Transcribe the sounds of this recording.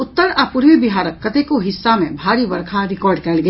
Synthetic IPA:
ʊt̪ːəɾapʊɾʋibɪɦaːɾəkːɐt̪ekoɦɪsːamẽbʱaːɾiʋɐɾkʰaɾɪkɔːɾɖkɐlɡɐ

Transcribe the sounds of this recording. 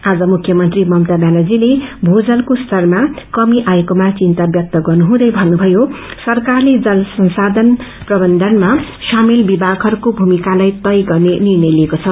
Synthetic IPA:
ad͡zʌmukʰjʌmʌnt̪rimʌmt̪abalad͡zilebʱod͡zʌlkost̪ʰʌrmakʌmiʔajekomat͡sint̪abjʌk̚t̪ʌɡʌrnuɦũd̪ʌjbʱʌnːubʱʌjo | sʌrkarled͡zʌlsʌnsad̪ʱʌn | prʌbʌnd̪ʱʌnma | samelbibʱaɡɦʌɾukobʱumikalajt̪ʌjɡʌrnenirnʌjliekot͡sʰʌ

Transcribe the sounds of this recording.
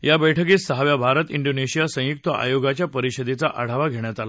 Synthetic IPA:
jabəjʈʰəkiːssəɦaʋjabʱaɾət̪iɳɖoneɕijasə̃juk̚t̪əʔa̰joɡat͡ɕjapəɾiɕəd̪et͡saʔaɽ̤aʋaɡʱeɳ̃jat̪ala

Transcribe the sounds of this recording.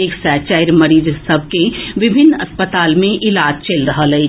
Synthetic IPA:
eːksɛːt͡ʃaːɪɾmɐɾiːd͡ʒsəb̚ʱkeʋɪbʱɪnːɐspət̪aːlmẽʔɪlaːd͡ʒt͡ʃelɾəɦəlɐi

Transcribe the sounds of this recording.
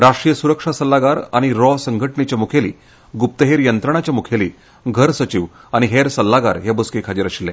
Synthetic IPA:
ɾaʂʈɾijəsuɾəkʂasəlːaɡaɾaɽ̃iɾɔsəŋɡʱəʈɳet͡ɕjamukʰelḭː | ɡup̚t̪əɦeɾjənt̪ɾəɳ̃at͡ɕjamukʰeli | ɡʱəɾsət͡ɕiʋaɽ̃iɦeɾsəlːaɡa̰ɾɦebuskekʰad͡ʑiɾəɕilːẽ

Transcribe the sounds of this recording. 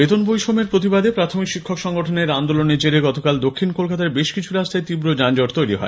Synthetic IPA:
bet̪onbojʃomeɾpɾot̪̬ibad̪epɾat̪ʰomikʃikʰːokʃɔŋɡoʈʰoneɾand̪oloned͡ʑeɾeɡɔt̪okald̪okʰːinkolkat̪aɾbeʃkit͡ɕʰuɾast̪ʰaet̪ibɾod͡ʑand͡ʑoʈt̪ojɾiɦɔ̰e

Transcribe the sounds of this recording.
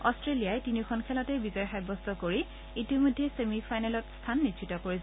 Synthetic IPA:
ɔstɹelijajtinikʰɔnkʰɛlɔtɛbizɔjxajbɔstʰɔkoɹi | itimɔjdʱːɛsemipʰajnɛlɔtstʰanːitʰitɔkoɹis

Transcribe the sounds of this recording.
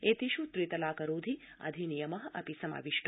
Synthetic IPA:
et̪iʃut̪ɾit̪ɐlaːkɐɾuːd̪ʱia̰d̪ʱinijɐmɐɦʔɐ̰pisɐma̰ːʋiʃʈ

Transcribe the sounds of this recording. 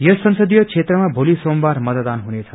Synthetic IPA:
jʌsʌnsʌd̪ijʌt͡sʰet̪rʌmabʱolisombarmʌt̪d̪anɦunet͡sʰʌ

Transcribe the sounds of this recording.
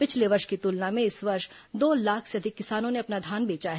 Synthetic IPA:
pɪt͡ʃʰleʋɐɾʃkit̪ʊlnamẽɪsʋɐɾʃd̪oːlaːkʰseɐd̪ʱɪkːɪsaːnõneɐpnad̪ʱaːnbeːt͡ʃaɦɛ

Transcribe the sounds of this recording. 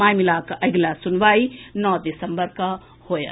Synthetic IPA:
aːjmilaːkʔɐɡlasʊnʋaːinɔːd̪ɪsəmbəɾka | hoːja̰

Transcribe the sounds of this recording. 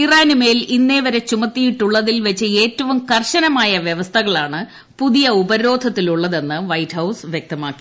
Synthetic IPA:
iraːnume̞ːlinːe̞ːʋɐɾet͡ɕumɐt̪ːijiʈːuɭːɐðilʋɐt͡ɕːɨe̞ːtːɐʋumkɐrɕɐnɐmaːjɐʋjeʋɐst̪ʰɐɣɐɭaːɳɨ | puðijɐubɐɾo̞ːd̪ʱɐt̪ːiluɭːɐðe̞nːɨʋɐjthɐwsʋjek̚t̪ɐmaːkːi

